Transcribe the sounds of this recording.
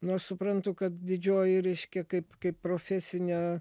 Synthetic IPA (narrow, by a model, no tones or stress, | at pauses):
noːʃsʊpɾɐnt̪ʊkɐt̪d̪ʲɪd͡ʒʲoːjɪɾʲɛɪʃʲkʲɛkɐɪpkɐɪppɾoːfʲæːsʲɪnʲɛ